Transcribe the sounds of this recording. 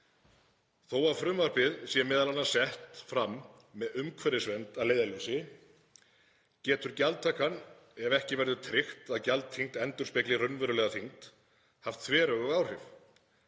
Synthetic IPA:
θowaɾfɾʏmvaɾ̥pɪðsjɛmɛːðalanːḁsɛht̪fɾamː | ɛðʏmkʰvɛɾɪsvɛnt̪alejðalʏsɪ | cɛːt̪ʏɾcalt̪t̪ʰːakan | ɛvɛhcɪvɛɾðʏt̪ʰɾɪxt̪aðcalt̪ʰiŋt̪ɛnt̪ʏɾ̥spɛklɪrœnvœɾʏlɛɣaθʰiŋt̪ | haft̪θʰvɛːɾœɣʏɣaːwr̥ɪv

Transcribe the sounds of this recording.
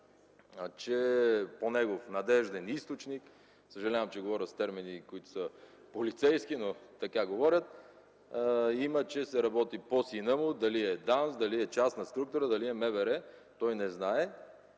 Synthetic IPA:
t͡ʃɛponɛɡofnɐd̪ɛʒd̪ɛnist̪ot͡ʃnik | səʒɐlʲavɐmt͡ʃɛɡovɔɾʲət̪st̪ɛɾminikoit̪ʊ̥sə | polit̪sɛjskinot̪ɐkaɡovɔɾʲət̪̚ | imət͡ʃɛsɛɾɐbɔt̪iposinəmʊd̪ɐliɛd̪ansd̪ɐliɛt͡ʃast̪nɐst̪ɾukt̪ʊɾəd̪ɐliɛmɛvɛɾɛt̪ɔjnɛznaɛ

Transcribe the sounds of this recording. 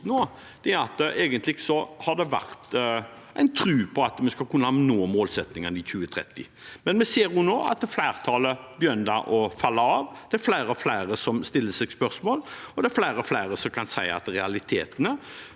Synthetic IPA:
noː | d̪̥ɛæɾɑt̪ʔeːɡənt̪lɪɡsɔhɑd̪ɛʋæ̰ʁt̪ʔæɪnt̪ʰɾʉːpʰɔɑt̪mɛskɑlkʉnːəhɑnoːmoːlsɛt̪nɪŋənɪçʉːət̪ʰɾɛ̰t̪ːɪ̰ | mɛnmɛseːɾjʊnoːɑ̰t̪flæɪʁt̪ʰɑːləbjœnd̪ə̰ʔɔfɑlːəɑːʋd̪ɛæɾflæɪɾəflæɪɾəsɔmst̪ɪlːəsɛɡspœʁsmoːlɔd̪ɛæɾflæɪɾɔflæɪɾəsɔmkʰɑnsæɪɑ̰t̪ɾɛɑlɪt̪ʰeːt̪ənə

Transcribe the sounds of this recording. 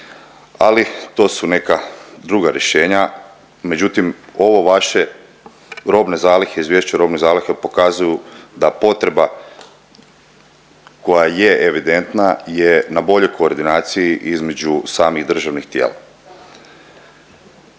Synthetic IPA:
alit̪o̞ːsune̞kad̪ɾuɡaɾje̞ʃe̞ːɲa | me̞d͡ʑut̪imo̞ʋo̞ʋaʃe̞ | ɾo̞bne̞zaːlixeizʋjeʃt͡ɕaɾo̞bne̞zaːlixepo̞kazujud̪apo̞t̪ɾe̞ba | ko̞jajeeʋid̪e̞nt̪najenabo̞ʎo̞jko̞ːɾd̪inaːt̪sijiʔizme̞d͡ʑusaːmiɣd̪r̩ʒaʋnixt̪je̞̰ːla̰

